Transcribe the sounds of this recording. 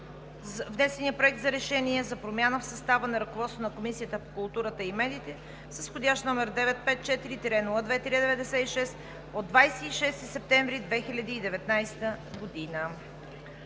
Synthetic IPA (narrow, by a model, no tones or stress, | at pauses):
zvnɛsɛniəpɾoɛk̚t̪zɐɾɛʃɛniɛzɐpɾomʲjanəfsɐst̪avənɐɾɐkovɔt̪st̪onɐkomisijət̪əpokʊlˠt̪uɾət̪əimɛd̪iːt̪ɛ | səsxodʲaʃt̪nɔmɛɾd̪ɛvɛt̪̚pɛt̪̚t͡ʃɛt̪iɾit̪ɛɾɛnuvəd̪vɛt̪ɾiəd̪ɛvɛd̪ɛsɛiʃɛst̪ | od̪ːvajsɛːʃɛst̪isɛp̚t̪ɛɱvɾid̪vɛxilʲɐd̪iːd̪ɛvɛt̪najst̪əɡod̪inə